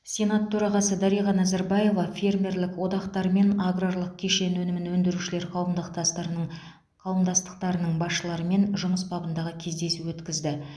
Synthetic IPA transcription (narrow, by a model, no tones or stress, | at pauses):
sʲe̞nat̪ʰːɵɾɑʁɑsəd̪ɑɾijʁɑnæzaɾbɑje̞vɑfʲe̞rmʲe̞rlɪkwo̞d̪ɑqt̪ɑɾme̞naɡrorlˠəq̚kʲʰe̞ʃe̞nwɵnɪmɪnwɵnd̪ɪɾuʃɪle̞ɾqʰɑwəmd̪əqt̪ | qʰɑwəmd̪ɑst̪ə̥qt̪ɑɾənəɴbɑsʃəlˠɑɾəme̞nʒʊməsbɑbənd̪ɑʁəkʲʰe̞zd̪e̞suwɵt̪kʲɪzd̪ɪ